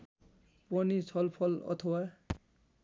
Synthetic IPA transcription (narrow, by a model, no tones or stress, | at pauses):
pʌnit͡sʰʌlpʰʌlʌ̰t̪ʰʌwa